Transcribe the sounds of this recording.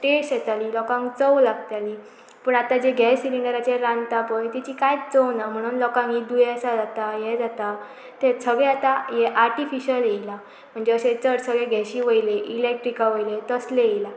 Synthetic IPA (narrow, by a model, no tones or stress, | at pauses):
ʈesʈjɛt̪alilɔkãŋkt͡səwlaɡt̪ali | pəɳat̪ad͡ʑeɡʱɛsilinəɾat͡ɕeɾãnt̪apəjt̪ɛt͡ɕiːkajt͡səwnam̤əɽ̃uːnlɔkãŋid̪ujəsad͡zat̪ajɛd͡zat̪a | t̪esəɡɭeat̪ajɛʔaɾʈifiɕəlela | m̤əɳd͡zeəset͡səɽsəɡɭeɡʱɛɕiʋəjleʔilek̚ʈɾikaʋəjlet̪əsleejla